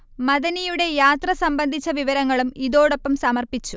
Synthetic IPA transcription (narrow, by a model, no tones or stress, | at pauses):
mɐðɐnijuɽe̞jaːt̪rɐsɐmbɐnd̪ʱit͡ɕːɐʋiʋɐɾɐŋːɐɭumiðo̞ːɽopːɐmsɐmɐrpit͡ɕːu